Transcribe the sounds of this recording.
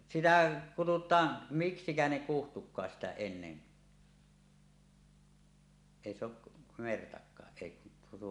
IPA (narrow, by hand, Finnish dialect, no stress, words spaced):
sitæ kututˑɑːn miksikæ ne kuhtukˑɑːs sitæ enːen eˑi se oʔ mertɑkˑɑːʔ ʔeˑi kun tuo